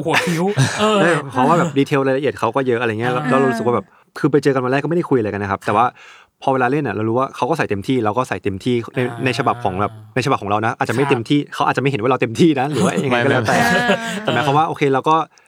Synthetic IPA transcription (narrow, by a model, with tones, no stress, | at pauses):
hʰi˧˦˥wːdaː˥˩pʰɔ˦˥waː˥˩bɛː˨˩diː˧t̪ʰeː˧wɾaː˧jla˧ʔi˨˩t̪̚kʰa˦˥wkɔː˥˩jɤ˦˥ʔa˧ɾjɐ˧˦lɛ˦˥wɾa˧wɾu˦˥skwaː˥˩ɛː˨˩p̚ | kʰɯː˧pa˧jt͡ɕɤː˧ka˧nwa˧lɛː˥˩kːa˥˩da˥˩ku˧jʔa˧jka˧na˦˥kʰp̚t̪ɛː˨˩waː˥˩ | pʰɔ˧weː˧laː˧le˥˩nːʔa˨˩ɾa˧wɾuː˦˥waː˥˩kʰa˦˥wkɔ˥˩sa˨˩jt̪e˧mt̪ʰiː˥˩ɾa˧wkɔː˥˩sa˨˩jt̪e˧mt̪ʰiː˥˩na˧jna˧jt͡ɕʰa˧ba˨˩p̚kʰɔː˩˦ŋbɛː˨˩p̚na˧jt͡ɕʰa˨˩ɔ˩˦ɾa˧wna˦˥ʔaː˨˩t̚t͡ɕa˨˩m˥˩jt̪e˧mt̪ʰiː˥˩kʰa˦wʔa˨t̚t͡ɕa˨m˥˩jɦe˦waː˥˩ɾa˧wt̪e˧mt̪ʰiː˥˩na˦˥ɾɯː˨˦waː˥ʔja˨ŋa˧jkɔ˥˩ɛː˦˥t̪ɛː˨˩˦t̪ɛː˨˩mɛ˦˥pʰɔ˦˥waː˥˩ʔoː˧kʰeː˧ɾa˧wkɔː˥˩